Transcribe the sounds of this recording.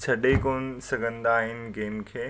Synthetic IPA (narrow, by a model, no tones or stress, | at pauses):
t͡ɕʰɐɗekoːn̆sɐɡʱə̃nd̪aːɦɪnɪ̆ɡeːmkʰeː